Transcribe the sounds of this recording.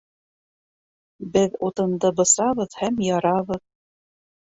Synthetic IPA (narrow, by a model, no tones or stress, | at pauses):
bɘðut̪ɤ̆nd̪ɤbɤ̆sɑβɤðhæmjɑɾɑβɤð